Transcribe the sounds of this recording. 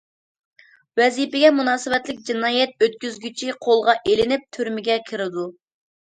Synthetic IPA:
wɛzipɪɡʲɛmunɑːsɪbɛt̪lɪk̚ʲd͡ʒinɑːjɛt̪̚øt̪̚kʲyzɡʲyt͡ʃʰiqʰolˠʁɑʔelɪnɪp̚t̪ʰyɾmɪɡʲɛkʲʰɪɾɪd̪u

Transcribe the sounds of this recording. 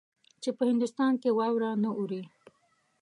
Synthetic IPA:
t͡ʃepəhɪnd̪ʊst̪ɑnkewɑwɾɑnəʔuɾi

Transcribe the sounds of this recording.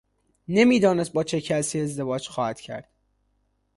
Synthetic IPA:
nemiːd̪ɒːnest̪̚bɒːt͡ʃʰe̞cʰæsiːe̞zd̪e̞vɒːd͡ʒxɒːhæt̪cʰæ̰ɾd̪̥

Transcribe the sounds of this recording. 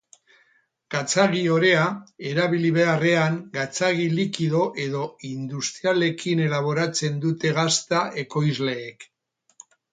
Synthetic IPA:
ɡ̥at͡saɣio̞ɾe̞ae̞ɾaβiliβe̞are̞aŋɡat͡saɣ̞ilikiðo̞ʔe̞ðo̞ind̪ust̪ɾiale̞kʰine̞laβ̞o̞ɾat͡se̞nd̪ut̪e̞ɣast̪aʔe̞ko̞jzle̞ːk

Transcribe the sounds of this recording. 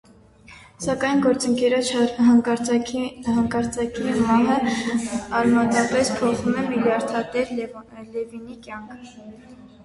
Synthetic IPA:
sɑkɑjnɡɔɾt͡səŋkɛɾɔt͡ʃʰɦɑŋɑɾhɑŋkɑɾt͡sɑkimɑɦə | ɑrmɑt̪ɑpɛspʰɔχumɛmiljɑɾt̪ʰɑt̪ɛɾlɛvinikjɑŋkʰə

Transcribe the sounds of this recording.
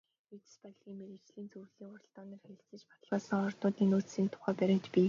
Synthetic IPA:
et̪spɔɮɣʲiːŋmeɾĕt͡ɕɮiːnt͡surɮiːŋʊrə̆ɬt̪ɔːnə̆ːrxeɾʲɪ̆ɬt͡sɘ̆t͡ɕpḁt̪ə̆ɮʁaːsɞ̆ŋɔrt̪ʊːt̪iːnuːt͡ssiːnt̪ʰʊ̥χæːpæɾʲɪ̆kt̪pʲi

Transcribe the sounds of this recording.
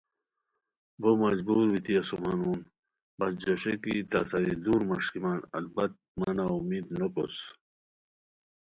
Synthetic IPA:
bomɐd͡ʑbuːɾwit̪ʰiɐsumanuːn | bɐsd͡ʑɐɕekit̪asad̪id̪uːɾmaʂkimanɐ̰lbɐt̪̚manaumiːd̪noko̰s

